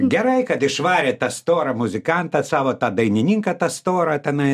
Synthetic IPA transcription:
ɡʲɛɾɐɪkɐt̪ɪʃʋɑːɾʲeːt̪ɐst̪oːɾɐmʊzʲɪkɐnt̪ɐsɑːʋoːt̪ɑːd̪ɐɪnʲɪnʲiŋkɐt̪ɐst̪oːɾɐt̪ʲɛnɐɪ

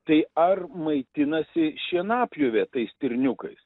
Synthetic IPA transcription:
t̪ɐɪɐrmɐɪt̪ʲɪnɐsʲɪʃʲiɛnɑːpʲjʊʋʲet̪ɐɪst̪ʲɪɾʲnʲʊkɐɪs

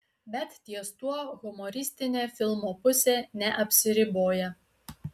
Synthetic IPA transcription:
bʲɛt̪t̪ʲiɛst̪uɔɣʊmɔɾʲɪsʲt̪ʲɪnʲeːfʲɪlˠmoːpʊsʲeːnʲɛʔɐpʲsʲɪɾʲɪboːjɛ

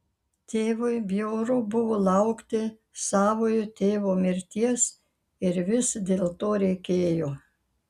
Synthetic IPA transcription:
t̪ʲeːʋʊɪbʲjoːɾʊbʊʋoːlˠɐʊkt̪ʲɪ | sɑːʋoːjʊt̪ʲeːʋoːmʲɪɾʲt̪ʲiɛs | ɪɾʋʲɪsd̪ʲeːlˠt̪oːɾʲɛɪkʲeːjoː

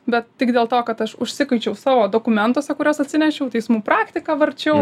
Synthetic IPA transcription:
bʲɛt̪̚tʲɪkd̪ʲeːlˠt̪oːkɐt̪ɐʃʊʃʲsʲɪkɐɪt͡ʃʲɛʊsɑːʋoːd̪oːkʊmʲɛnt̪oːsʲɛkʊɾʲoːsɐt̪ʲsʲɪnʲɛʃʲɛʊt̪ʲɛɪsmuːpɾɑːkt̪ʲɪkɑːʋɐɾʲt͡ʃʲɛʊ

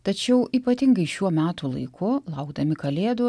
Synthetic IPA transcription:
t̪ɐt͡ʃʲɛʊiːpɐt̪ʲɪŋɡɐɪʃʲuɔmʲæːt̪ulˠɐ̰ɪkʰʊlˠɐʊɡd̪ɐmʲɪkɐlʲeːd̪oː

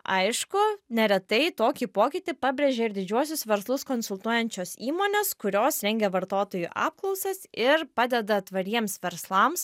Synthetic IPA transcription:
ɐɪʃkʊnʲɛɾʲɛt̪ɐɪt̪oːkʲiːpoːkʲɪt̪ʲipɑːbʲɾʲeːʒʲeːɪɾd̪ʲɪd͡ʒʲuɔsʲʊsʋʲɛɾslˠʊskonsʊlˠt̪uɔjɛnʲt͡ʃʲoːsiːmoːnʲeːskʊɾʲoːsɾʲɛŋʲɡʲɛʋɐɾt̪oːt̪oːjuʔɑ̰ːp̚klˠɒʊsɐsɪɾpɑːd̪ʲɛd̪ɐt̪ʋɐɾʲiɛmsʋʲɛɾslˠɐms

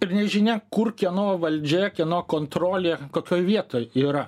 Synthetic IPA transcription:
ɪrnʲɛʒʲɪnʲɛkʊrkʲiɛnoːʋɐlʲd͡ʒʲɛːkʲiɛnoːkoːnt̪ɾoːlʲeːkoːkʲoːjʋʲiɛt̪oːjiːɾɐ

